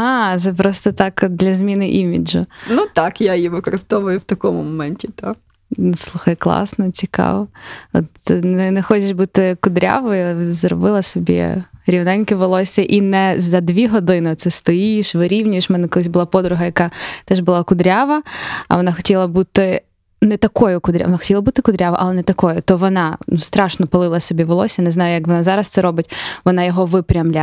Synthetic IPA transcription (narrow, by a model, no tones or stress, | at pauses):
ɑt̪sɛpɾɔst̪ɔt̪ɑkd̪lʲɐzʲmʲinɪʔimʲḭd͡ʒʊ̰nut̪ɑkjajiʋɪkɔɾɨst̪ɔʋʊjʊwt̪ɐkɔmʊ̰mɔmɛnʲtʲit̪ak̪ | slˠuxɐjklˠɑ̰snɔt͡sʲikɑ̰ʋɔɔ̰t̪nɪnɛxɔt͡ʃeʃbut̪ɪkʊd̪ɾʲa̰ʋɔjzɾɔ̰bɪlˠɐsɔbʲḭɾʲiwnɛnʲkɪʋelˠɔsʲɐʔinɛzɐd̪ʲʋʲiɦɔd̪ɪnɪɔt̪sɛst̪ɔjiʃʋɪɾʲiwnʲʊjɪʃmɛnɛkɔlˠɪsʲbʊlˠɑpɔd̪ɾʊɦɐjɐkɑt̪ɛʒbʊlˠɑkʊd̪ɾʲaʋɐɐ̰ʋɔnɑxɔ̥tʲilˠɐbut̪ɪ | nɛt̪ɐkɔjʊkʊd̪ɾʲa̰ʋɔnɑxɔ̥tʲilˠɐbut̪ɪkʊd̪ɾʲaʋɐʔɐlˠɛnɛt̪ɐkɔjʊt̪ɔʋɔnɑnust̪ɾɑʃnɔpɐlˠɪlˠɐsʲɔbʲiʋɔlˠɔsʲjnɛznɑjʊjɐkʋɔnɑzɑɾɐst̪sɛɾɔbɪtʲʋɔnɑjɔɦɔʋɪpɾʲɐmlʲa